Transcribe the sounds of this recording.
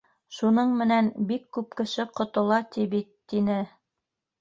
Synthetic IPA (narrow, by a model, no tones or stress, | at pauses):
ʃunɤɴmɘ̆nænbikːʉpkɘ̆ʃɘqŏt̪ŏlˠɑt̪iβit̪ːinɘ